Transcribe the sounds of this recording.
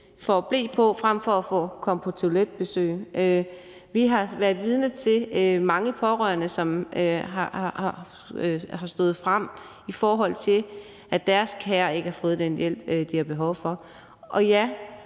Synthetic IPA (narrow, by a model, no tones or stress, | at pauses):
fɒːb̥le̝̰ːpʰɒ̽fʁam̰fɒ̽æfɔ̰̽ːkʰɒ̽məpʰɒ̽t͡sʰe̝ʊled̥̚b̥e̝sø̰ːɪʔø | ʋiɦɑ̈ʋæɐðˠʋiːð̞ˠnət͡sʰe̝mɑ̈ŋəpʰɒ̽ʁœ̰ɐnəsɒ̽møɦɑɑ̈hɑ̈ | hɑ̈sd̥ɔ̽ð̩ˠfʁam̰ | ifɒːɦɒ̽l̰t͡sʰe̝l | ʔæd̥æɐskʰæːɐe̝ɡ̥əhɑ̈fɔ̽ːð̩ˠd̥enjel̰b̥d̥ihɑ̈b̥e̝ɦɒ̽ʊfɒ̽ | ʔɒ̽jæ